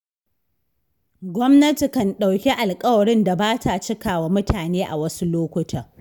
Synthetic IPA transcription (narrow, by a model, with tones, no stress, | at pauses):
ɡʷɔ˦mnɐ˦ti˨kɐ˨nɗa˨wkʲi˦ʔa˨lkʼɐ˦wɐ˨ɽɪ˦nda˨baː˦tʰa˨t͡ʃɪ˦kaː˨waː˨mʊ˦tʰaː˨neː˦ʔa̰˨wɐ˦su˦loː˦kʷʊ˦tʰɐ˨